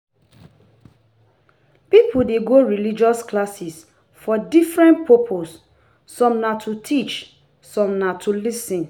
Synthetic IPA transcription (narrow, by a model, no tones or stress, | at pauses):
pipʰudeɡoɹilid͡ʒɔsklasis | fɔdifɹɛ̃npɔpʰosː | ɔ̃mnatʰutʰit͡ʃ | sɔ̃mnatʰulisĩn